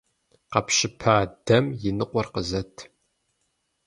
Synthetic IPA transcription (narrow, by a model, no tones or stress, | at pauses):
qɐpɕɪpʰaːdɐmjɪnɨqʷʼɔrqəzɐtʰ